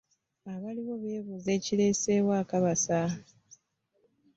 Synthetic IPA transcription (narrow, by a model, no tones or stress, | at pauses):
aβaliβo̞βe̞ːβuze̞ːciɾe̞ːse̞βwaːkaβasa